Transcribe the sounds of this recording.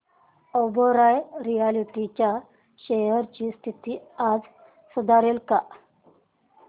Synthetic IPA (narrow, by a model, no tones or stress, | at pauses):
ɔbɔɾajɾijaliʈit͡ɕa | ɕeəɾt͡ɕiːst̪ʰit̪iːad͡z | sud̪ʱaɾelka